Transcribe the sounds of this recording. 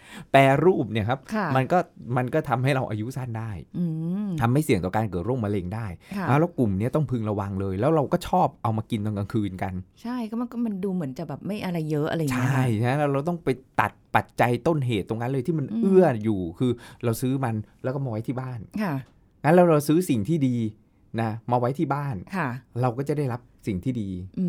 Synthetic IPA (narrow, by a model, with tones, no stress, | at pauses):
pɛː˧ɾuː˥˩p̚ni˥˩ɐkʰa˦˥pkʰma˧nkɔː˥˩ma˧nkɔː˥˩t̪ʰa˧mha˥˩jɾa˧wʔa̰ː˧ju˦˥sa˥˩ndaː˥˩jʔɯː˧t̪ʰa˧mːha˥˩jsi˨˦ŋt̪ɔ˨˩kaː˧nkɤː˨˩t̪̚ɾo˥˩ma˧le˧ŋdaː˥˩jʰa˦˥wlɛː˦˥wku˨˩mni˦˥ɐt̪ɔ˥˩ŋpʰɯ˧ŋɾa˧wa˧ŋlɤː˧jlɛː˦˥wɾa˧wkɔː˥˩t͡ɕʰɔː˥˩p̚ʔa˧wmaː˧ki˧nt̪o˧ŋka˧ŋkʰɯː˧nka˧nt͡ɕʰa˥˩jkːm˧kɔ˥˩ma˧nduː˧mɯ˩˦ənt͡ɕa˨˩bɛː˨˩p̚ma˥˩jʔa˧ɾa˧jːɤ˦˥ʔa̰˧ɾa˧˨t͡ɕʰa˨˥˩ja˦˥lɛː˦˥wɾa˧wt̪ɔ˥˩ŋpa˧jt̪a˨˩t̪̚pa˨˩t̪̚t͡ɕa˧jt̪o˥˩nɦeː˨˩t̪ːo˧ŋːa˦˥nlɤː˧t̪ʰi˥˩ma˧nʔɯ˥˩ɐjuː˨˩kʰɯː˧ɾa˧wsɯː˦˥ma˧nlɛ˦˥kɔː˥˩maː˧wa˦˥jt̪ʰiː˥˩baː˥˩nkʰa˥˩ | ŋa˦˥nlɛː˧˦˥wɾa˧wsɯː˦˥si˨˩ŋt̪ʰiː˥˩diː˧ | na˦˥maː˧wa˦˥jt̪ʰiː˥˩baː˥˩nkʰa˥˩ɾa˧wkɔː˥˩t͡ɕa˨˩da˥˩jɾa˦˥p̚si˨˩ŋt̪ʰiː˥˩diː˧ʔɯː˧